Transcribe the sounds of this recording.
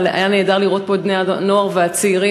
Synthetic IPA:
leʔa̰jane̞ːdaʁliʁo̞t̪̚po̞d̪neano̞aʁveat͡seiʁi

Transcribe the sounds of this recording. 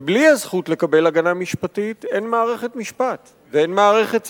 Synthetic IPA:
bliazχutle̞kabe̞laɡanamiʃpatite̞nmaːʁe̞χe̞tmiʃpat | vee̞nmaːʁe̞χe̞t

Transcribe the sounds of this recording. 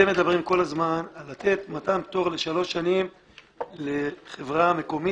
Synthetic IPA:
eme̞d̪abʁimko̞lazmanalat̪e̞t̪matampt̪o̞ʁle̞ʃalo̞ʃːanim | leχe̞vʁame̞ko̞mi

